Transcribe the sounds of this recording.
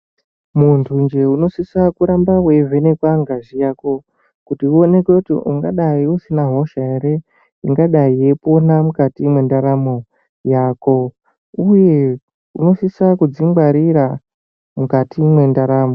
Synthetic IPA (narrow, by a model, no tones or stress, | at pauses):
muntʰund͡ʒe̞uno̞siswakuɾambawevʱe̞ne̞kwaŋɡaʒijaːko̞ | kutiuone̞kweutiʔuŋɡaɗaiusinaɦo̞ʃae̞ɾe | iŋɡaɗaije̞po̞namukatimwe̞ndaɾamo̞ | jaːko̞ | uje̞ | uno̞siswakud͡ziŋɡwaɾiɾa | mukatʰimwe̞ndaɾaːmo̞